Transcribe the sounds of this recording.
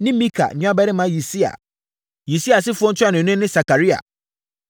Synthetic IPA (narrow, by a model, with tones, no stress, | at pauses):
nɪ̃˦mĩ˦kʰa̰˨ɲʊ̃˦a˦bɛ˦ɾɪ̃˦mã˦ji˨si˦a̰˨ | ju˨si˦a˨s̬ɪ˦fʊ˦ɔ˦n̩˦t͡ɕʰʊ˦a˦nʊ̃˨nũ˦nɪ̃˦sa˨ka˨ɾi˦a̰˨